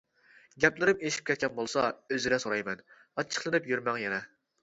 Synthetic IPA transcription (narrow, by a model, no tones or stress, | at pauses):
ɡʲɛplɪɾɪmeʃi̥p̚kʰʲɛt̪̚kʲɛnbolˠsɑøziɾɛsoɾɑjmɛn | ɑt͡ʃʰːə̥χlˠɨnɨpjyɾmɛŋjɛnɛ